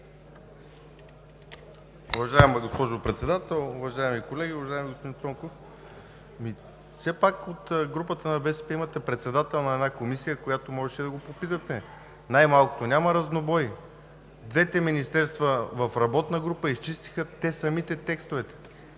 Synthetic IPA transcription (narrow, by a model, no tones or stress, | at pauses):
ʊvɐʒaɛmɡospɔʒopɾɛt̪sɛd̪at̪ɛlˠʊvɐʒaɛmikolɛɡʲiʊvɐʒaimiɡospod̪int̪ɔŋkof | mi | fsɛpakot̪ɡɾupət̪ənɐbɛsɛ̥pɛimɐt̪ɛpɾɛt̪sɛd̪at̪ɛlˠnɐɛd̪nakomisijəkojat̪omɔʒɛʃɛd̪ɐɡopopit̪ət̪ɛ | najmalˠkʊ̥t̪onʲaməɾɐznobɔji | d̪vɛt̪ɛminist̪ɛɾst̪vəvɐfɾɐbɔt̪nəɡɾupəist͡ʃist̪i̥xət̪ɛsɐmit̪ɛt̪ɛkst̪ovɛt̪ɛ̥